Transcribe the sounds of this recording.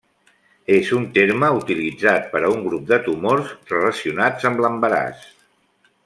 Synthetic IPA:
ezunt̪eɾməut̪ilid͡zat̪̚pəɾəuŋɡɾup̚d̪ət̪umorzrələsiunad͡zəmləmbəɾa̰s

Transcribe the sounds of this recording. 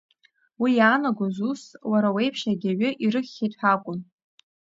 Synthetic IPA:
wijaːnaɡʷazuswaɾawe̞jpʰʃaɡʲaɥʏʔiɾɨχʲːejtʼħʷᶣakʷʼʊn

